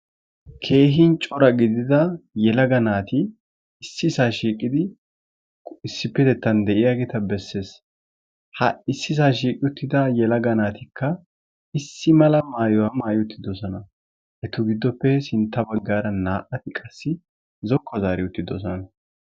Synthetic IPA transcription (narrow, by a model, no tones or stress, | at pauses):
kʰe̞ːɦɪnt͡ʃʼɔɾɐɡɪd̪ɪd̪ɐjɛlɐɡɐnaːt̪ɪ | ɪsːɪsaːʃiːkʼɪd̪ɪ | ɪsːɪpːɛt̪ɛt̪ːɐnd̪ɛʔɪjaɡeːt̪ɐbɛsːe̞ːs | hɐ̰ɪsːɪs̬aːʃiːkʼɪʊt̪ːɪd̪ɐjɛlɐɡɐnaːt̪ɪkʰːɐ | ɪsːɪmɐlɐmaːjɔwɐmaːjɪʊt̪ːɪd̪ɔsɔnɐ | ʔɛt̪ʊɡɪd̪ːɔpːɛsɪnt̪ːɐbɐɡːaːɾɐnaːʔɐt̪ɪkʼɐsːɪ | zɔkʰːɔzaːɾɪʊt̪ːɪd̪ɔsɔnɐ